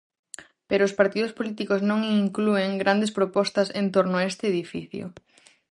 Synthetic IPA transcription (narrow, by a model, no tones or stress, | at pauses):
peɾoʊspaɾt̪iðʊspolit̪ikoznõŋiŋklueŋɡɾʔand̪espɾopɔst̪ɐsent̪oɾnʊaest̪eːðifiθjo̰